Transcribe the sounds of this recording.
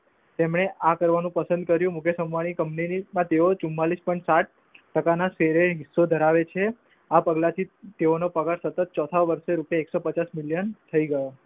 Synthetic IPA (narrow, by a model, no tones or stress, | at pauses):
t̪emɳ̃eʔakəɾʋanũpəsə̃nd̪̚kəɾjũmʊkʰjəsəmʋaɽ̃ikəmpninimãt̪eot͡ʃumːalispɔjɳʈsaʈ̚ | ʈəkanaseɾeɦisːod̪ʱəɾaʋet͡ʃʰe | apəɡlat̪ʰit̪eonopəɡaɾsət̪ət̪̚t͡ʃɔt̪ʰaʋəɾʃeɾupjaeksopət͡ʃasmiljənt̪ʰəiɡəjo